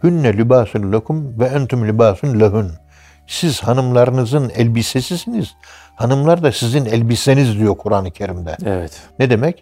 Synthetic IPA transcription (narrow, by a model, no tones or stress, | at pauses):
hynːɛlibaːsunlʲakʰumvɛænt̪ʰumlʲibaːsunlʲaɦun | siz̥hanɯmlˠaɾɯnɯzɯnɛlʲbisesisiniz̥ | hanɯmlˠaɾd̪asizinɛlʲbisenizd̪ijo̞ɾkʰuɾaːnɯcʰe̞ɾimd̪ɛɛvɛt̪nɛd̪emɛc